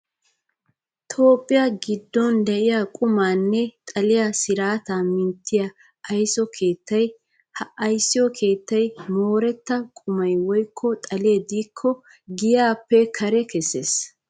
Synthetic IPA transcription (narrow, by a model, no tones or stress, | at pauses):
t̪ʰo̞ːpʼːɪjɐɡɪd̪ːɔnd̪ɛʔɪjakʼʊmaːnːɛt̪ʼɐlɪjɐsɪɾaːt̪amɪnt̪ʰːɪjɐ | ɐjsɔkʰe̞ːt̪ːɐj | hɐʔɐjsːɪjɔkʰe̞ːt̪ːɐjmoːɾɛt̪ːɐkʼʊmɐjwɔjkʰːɔt̪ʼɐlɪɛd̪iːkʰːɔ | ɡɪjaːpːɛkʰɐɾɛkɛsːeːs